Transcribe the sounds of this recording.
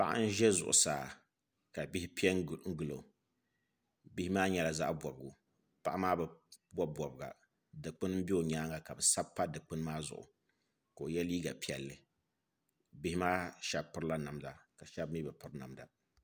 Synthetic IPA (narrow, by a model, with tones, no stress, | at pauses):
pa̰˦ʔa̰˦n̩˦ʒɛ˦zʊ̰˨ʔʊ̰˨saː˨ | ka˨bi˦hi˦pi˦ɛ˦ŋ˦˨ŋ̩˦ɡɨ˨lo˨ | bi˦hi˦maː˦ɲɛ˨la˨za̰˦ʔbɔ˨bɨ˨ɡu˨ | pa˦˨ʔa˦maː˦bɛ˨bɔ˦bɔ˨bɨ˨ɡa̰˨ | dɨ˨k͡pɨ˦n˦m̩˦bi˦o˨ɲaː˦ŋa˨ka˨bɨ˨sa˦bpːa˦dɨ˨k͡pɨ˦n˦maː˦zʊ̰˨ʔʊ̰˨ | ka˨o˨jɛ˦li˦ɡa̰˨pi˦ɛ˨lːɨ˨ | bi˦hi˦maː˦ʃɛ˦bpɨ˦ɾla˦na˨mda˨ka˨ʃɛ˦bmiː˦bɨ˨pɨ˦ɾna̰˨mda̰˨